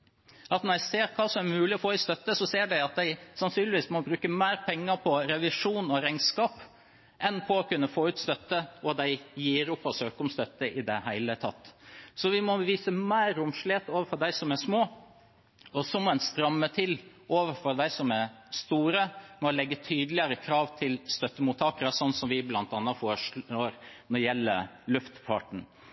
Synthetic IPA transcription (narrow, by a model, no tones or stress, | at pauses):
ɑt̪nɔɾæɪseːɾkʰɑːsɔmæɾmʉːlɪɔfoːɪst̪œt̪ːəsɔseːɖæɪɑt̪̚d̪æɪsɑnsyːnlɪʋiːsmɔbɾʉːkəmæɪɾpʰɛŋːəɾpʰɔɾɛʋɪʂuːnɔɾæŋskɑːp | ʔɛnpʰɔɔkʰʉnːəfoːʉːt̪st̪œt̪ːəʔɔd̪æɪjiːɾʊpːɔsøːkʊmst̪œt̪ːəʔɪd̪ɛ̰hæɪlət̪ʰɑ̰t̪ːsɔʋɪmɔʋiːsəmæɪɾʊmʂlɪeːt̪oːʋəɾfɔɾɖd̪æɪsɔmæʂmoː | ɔsɔmɔɛnst̪ɾɑmːət̪ʰɪl | ʔoːʋəɾfɔɾd̪æɪsɔmæɾ | st̪uːɾəmɛɔlɛɡːət̪ʰyːd̪əlɪəɾəkʰɾɑːʋt̪ʰɪlst̪œt̪ːəmuːt̪ʰɑːkəɾəsɔnːsɔmʋɪblɑnt̪ɑːnːɑfoːʂoːɾnɔɾjɛlːə̰lʉft̪fɑ̰ʈɳ̩